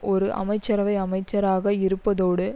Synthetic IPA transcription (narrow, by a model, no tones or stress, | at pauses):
ɔɾɯʔɐ̰mɐɪt͡ʃːɐɾɐʋɐɪɐmɐɪt͡ʃːɐɾaːɣɐɪɾɯpːɐðoːɽɯ